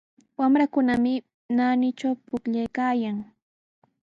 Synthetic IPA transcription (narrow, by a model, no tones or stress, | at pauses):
wamɾakʊnamɪ | nanɪt͡ʃawpʊkʎajkaːjaŋ